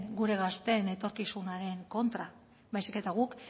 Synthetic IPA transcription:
nɡuɾe̞ɣast̪e̞ne̞t̪o̞ɾkisunaɾe̞ŋko̞nt̪ɾa | βajsike̞t̪aɣ̞uk

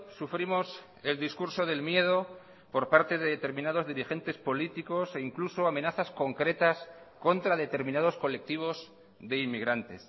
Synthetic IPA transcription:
sufɾimo̞s | e̞ld̪iskuɾso̞ð̞e̞lmje̞ð̞o̞ | po̞ɾpaɾt̪e̞ðeðet̪e̞ɾmĩnað̞o̞zðiɾixe̞nt̪e̞spo̞lit̪iko̞se̞iŋkluso̞amẽ̞naθasko̞ŋkɾe̞t̪as | ko̞nt̪ɾaðe̞t̪e̞ɾmĩnað̞o̞sko̞le̞k̚t̪iβ̞o̞z | ðe̞imːiɣɾant̪e̞s

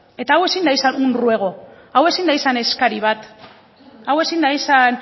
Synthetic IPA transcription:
e̞t̪aawe̞sind̪ajsanunrue̞ɣ̞o̞ | awe̞sind̪ajsane̞skaɾiβ̞at̪ | awe̞sind̪ajsan

